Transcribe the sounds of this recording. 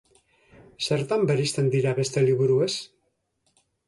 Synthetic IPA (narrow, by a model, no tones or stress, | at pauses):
se̞ɾt̪ambeɾist̪e̞nd̪iɾaβe̞st̪e̞liβuɾues